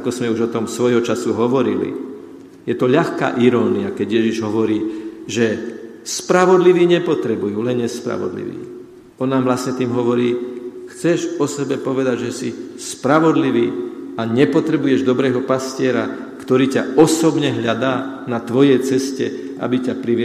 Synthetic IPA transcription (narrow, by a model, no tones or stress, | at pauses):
akɔzmɛuʒɔt̪ɔmsʋɔjɦɔt͡ʃasuɦɔʋɔɾḭlḭ | jɛt̪ɔʎaxka̰ːʔiɾɔːniakɛɟjɛʒiʒɦɔʋɔɾiːʒɛ | spɾaʋɔd̪liʋiːɲɛpɔt̪ɾɛbujuːlɛnɲɛspɾa̰ʋɔ̰d̪lḭʋḭː | ɔnːaːmʋlasɲɛt̪iːmɦɔʋɔɾiːxt͡sɛʒɔsɛbɛpɔʋɛd̪aɟʒɛsispɾaʋɔd̪liʋiːaɲɛpɔt̪ɾɛbujɛʒd̪ɔbɾɛːɦɔpascɪɛɾa | kt̪ɔɾiːcaɔsɔbɲɛɦʎad̪aː | nat̪ʋɔjɛjt͡sɛscɛ̰ | a̰bicapɾiʋ